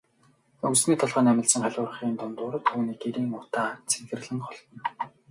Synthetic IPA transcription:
ɵksniːt̪ʰɔɮχəːnæmʲɪ̆ɮsə̆ŋχæɮʊːr̆χiːnt̪ʊnt̪ʊːɾt̪ʰːuːniːkeɾiːŋʊt̪aːt͡sʰe̥ŋxɘ̆rɮɘ̆ŋχɔɮ̆n

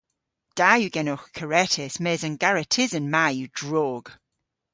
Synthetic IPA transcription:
d̥aːjuɡɛnoxkʰəɹɛtʰɛsmɛːzənɡaɹətʰɪzənmajud̥ɹɔːɡ̥

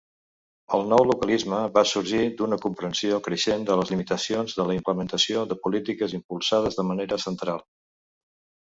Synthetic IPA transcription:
əlˠnɔwlukəlizməβasuɾʒid̪unəkumpɾənsiokɾəʃend̪ələzlimit̪əsionzðələimpləmənt̪əsioðəpulit̪ikəzimpulˠsað̞əzðəməneɾəsənt̪ɾalˠ

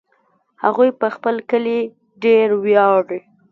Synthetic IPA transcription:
haɣujpəxpəlkəli | ɖeɾwjɑɽi

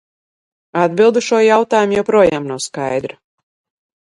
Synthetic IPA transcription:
ad̪bilˠd̪uʃuɔjawt̪aːjumjawpɾuɔjaːmnawskajd̪ɾ

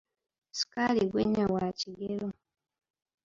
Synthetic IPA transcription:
si̥kaliɡweɲːawaciɡelo

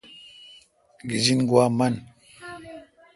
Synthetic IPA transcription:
ɡizinɡwaman

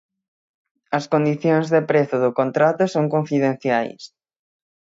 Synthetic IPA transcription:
ɐskond̪iθjoŋzðepɾeθʊðʊkont̪ɾat̪ʊsõŋkõɱfiðen̟θjajs

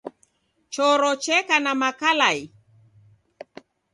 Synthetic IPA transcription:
t͡ʃɔɾɔt͡ʃɛkanamakalaj

